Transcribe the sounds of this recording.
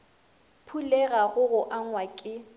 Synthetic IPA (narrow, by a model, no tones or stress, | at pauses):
pʰulɛɣaɣʊɣʊʔaŋwakʼɪ